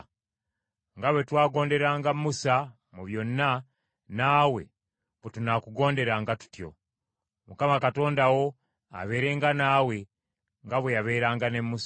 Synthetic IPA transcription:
ŋɡaβwetwaːɡo̞ːnde̞ɾaːŋɡamːusa | muβjo̞nːa | naːwe̞ | βetunakuɡo̞ːnde̞ɾaŋɡatu̥tjo̞̰ | mukamakato̞ːndawo̞ | a̰βe̞ːɾe̞ŋɡanaːwe̞ | ŋɡaβwe̞jaβe̞ːɾaːŋɡane̞mːus

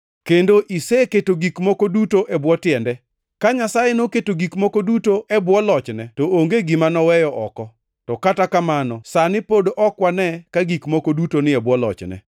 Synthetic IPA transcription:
kendoʔiseketoɡikmɔkodutoʔɛbwɔtɪɛndɛ | kaɲasajenoketoɡikmɔkodutoʔɛbwɔlɔt͡ʃnɛtoʔoŋɡeɡimanɔwɛjɔʔɔkɔ | tɔkatakamanɔsanɪpodʔɔkwanɛkaɡikmɔkodutonɪɛbwɔlɔ̰t͡ʃnɛ̰

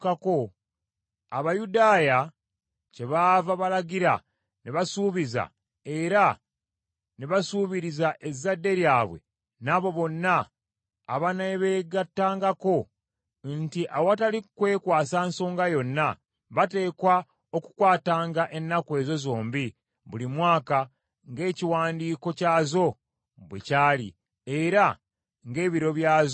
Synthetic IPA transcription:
kako̞ | aβajudaːja | ce̞βaːvaβalaɡiɾa̰ | neβasuːβiza̰ | eɾa | neβasuːβiɾizaʔe̞zadːe̞ɾjaːβwe̞̰ | naβo̞βo̞nːaː | βaneβeːɡatːaːŋɡako̞ | ntiʔawatalikwe̞ːkwaːsaːnso̞ːŋɡajo̞nːa | βate̞ːkwa | o̞ku̥kwaːtaːŋɡaʔe̞nːakwe̞ːzo̞zo̞ːmbi | βulimwaːka | ŋɡe̞ːciwaːndiːko̞caːzo̞ | βwḛcaːlḭ | eɾa | ŋɡe̞ːβiɾo̞βjaːz

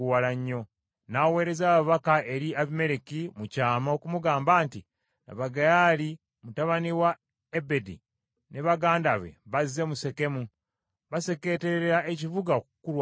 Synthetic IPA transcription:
walaɲːo̞ | nawe̞ːɾe̞zaːβaβakaʔe̞ɾiaβime̞ɾekimucaːmaokumuɡaːmbaːnti | na̰βaɡajali | mutaβaniwa | ebe̞dḭ | ne̞βaɡaːndaβe̞̰βazːe̞muse̞ke̞mu | βase̞ke̞ːte̞ɾeɾeɾaeciβuɡaokukulwa

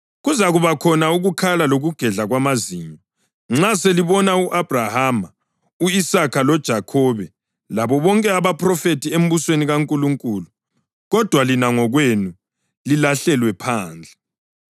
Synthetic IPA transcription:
ɣuzaɣuβakʰɔnauɣukʰalaloɣuɡ̥ʱɛɮaɣwamaziɲɔ | ŋ͡ǁaseliβɔnauʔab̥ʱrahama | uisakʰalɔd̥ʒ̥ʱakʰɔβɛ | laβɔβɔŋkʼɛaβapʰʼrɔfetʰʼiem̩βusweniɣaŋkʼuluŋkʼulu | ɣɔd̥ʱwalinaŋɔɣwenu | lilaɬɛlwɛpʰaːnd͡ɮʱɛ

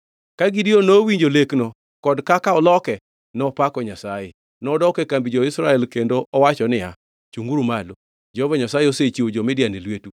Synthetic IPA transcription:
kaɡidionowiɲd͡ʒoleknɔ | kɔdkakaɔlɔkɛ | nɔpakɔɲasajɪ̰ | nɔːdɔkɛkambid͡ʒɔɪsɾaɛlkendoʔɔwat͡ʃɔnɪa̰ | t͡ʃuŋɡuɾumalo | d͡ʒɔɔvɔɲasajeoset͡ʃiwod͡ʒɔmɪdɪjanɪlwetu

